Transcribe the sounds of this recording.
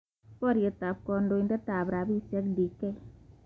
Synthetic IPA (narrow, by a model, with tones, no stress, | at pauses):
pɔ˦ɾje˨ta˨p̚kɔ˧ndo˧i˧nda˦ta˨bɾa˨bi˦sɛ˦kdi˨kɛ˦